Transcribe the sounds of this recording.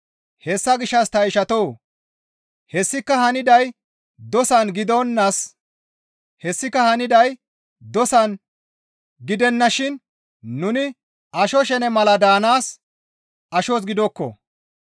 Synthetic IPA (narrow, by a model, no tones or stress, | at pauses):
hɛsːɐɡɪʃːɐst̪ɐjʃɐt̪ow | hɛsːɪkːɐhɐnɪd̪ɐj | d̪ɔsɐnɡɪd̪onːɐs | hɛsːɪkːɐhɐnɪd̪ɐj | d̪ɔsɐn | ɡɪd̪ɛnːɐʃɪnː | ʊnɪ | ɐʃɔʃ̬ɛnɛmɐlɐd̪aːnaːs | ɐʃɔs̬ɡɪd̪ɔkːɔ̰